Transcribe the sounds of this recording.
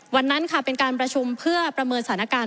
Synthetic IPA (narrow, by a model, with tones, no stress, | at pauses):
wa˧nːa˦˥nkʰa˥˩pe˧nkaː˧npɾa˧t͡ɕʰu˧mpʰɯ˥˩ɐpɾa˧mɤː˧nsa˧tʰa˩˦na˦˥kaː˧